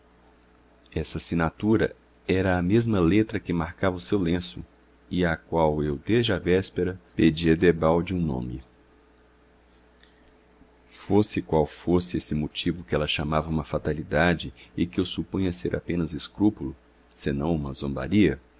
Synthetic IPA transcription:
ɛsɐsinat̪uɾɐ | ɛɾɐːmezmɐlet̪ɾɐkɪmaɾkavɐʊsewlẽsʊ̰ | ɪakwawewd̪ezd͡ʒɪavɛspeɾɐped͡ʒiɐd̪ebawd͡ʒɪũnõ̰mɪ̰ | fosɪkwawfosɪesɪmot͡ʃivʊkɪɛlɐʃamavɐũmɐfat̪alid̪ad͡ʒɪɪkɪʊsupũɲɐseɾʔa̰pẽnɐzɪskɾupulʊ | senɐ̃w̃ũmɐzõmba̰ɾiɐ

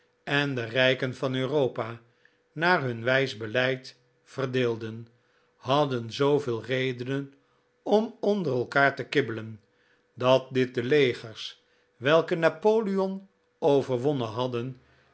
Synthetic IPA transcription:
ɛndərɛjkənvɑnøːrowpa | naːrɦɵnʋɛjzbəlɛjt | fərdɪːlˠdən | hɑdənzowvɪːlˠrejdənən | ɔmɔndərɛlˠkaːɹtəkɪbələn | dɑt̚dɪt̚dəlejχəɹs | ʋɛlˠkənapoːliɔn | owvəɹʋɔnənɦɑdən

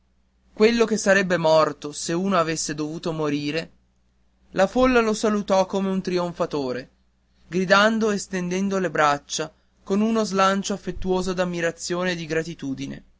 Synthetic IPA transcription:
kwelːok̟esːaɾɛbːemɔrt̪oseuːnoavesːed̪ovuːt̪omoɾiːɾe | lafolːalosalut̪ɔkːomeunt̪ɾioɱfat̪oːɾe | ɡɾid̪and̪oest̪end̪ɛnd̪olebɾat͡ʃːa | konunozlant͡ʃoafːet̪ːuoːzod̪amːiɾat̪sːjoːneːd̪iɡɾat̪it̪uːd̪inḛ

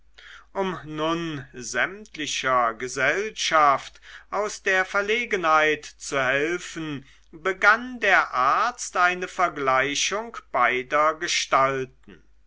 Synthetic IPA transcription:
ʔʊmnʊnzɛmtlɪɕɐɡəzɛlʃaftʔaʊsd̥eːɐfɛɐleːɡənhaɪtt͡suhɛlfən̩ | bəɡandeːɐʔaɐt͡stʔaɪnəfɛɐɡlaɪʃʊŋkb̥aɪdɐɡəʃtaltn̩

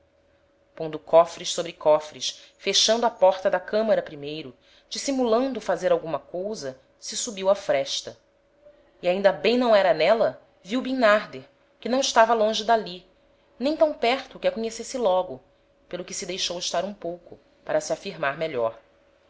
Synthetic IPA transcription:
kwɐ̃nd̪ʊkɔfɾiʃsobɾɪkɔfɾiʃ | feʃɐ̃nd̪ʊapɔɾt̪ɐd̪ɐkɐ̃mɐɾɐpɾimejɾʊ | d͡ʒisimulɐ̃nd̪ʊfazeɾawɡũmɐkowzɐ | sɪsubiwɐfɾɛʃt̪ɐ | iaĩnd̪ɐbẽj̃nɐ̃w̃ɛɾɐnɛlɐ | viwbĩnaɾd̪eɾ | kɪnɐ̃w̃ɪʃt̪avɐlõʒɪd̪ali | nẽj̃t̪ɐ̃w̃pɛɾt̪ʊːkɪakoɲesesɪlɔɡʊ | pelʊkɪsɪd̪ejʃowɪʃt̪aɾũpowkʊ | paɾɐsiafiɾmaɾmeʎɔ̰ɾ

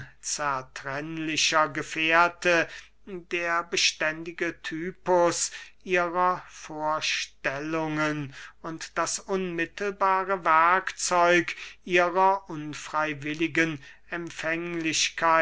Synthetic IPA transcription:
t͡sɛɐtʁ̥ɛnlɪɕɐɡəfeɐtʰə | deːɐbəʃtɛndɪɡətʰyːpʊsʔiːʁɐfoːɐʃtɛlʊŋənʊntd̥asʔʊnmɪtʰl̩baːʁəvɛɐkt͡sɔʏkʔiːʁɐʔʊnfʁ̥aɪvɪlɪɡən | ɛmfɛŋlɪɕkʰaɪ

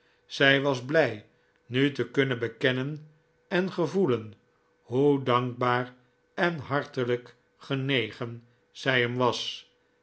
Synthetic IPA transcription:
z̥ɛjʋɑzblɛj | nytəkɵnəbəkɛnən | ɛnχəvulən | hudɑŋɡ̚baːɹ | ɛnɦɑɹtələk | χənejχən | z̥ɛjɦəmʋɑs

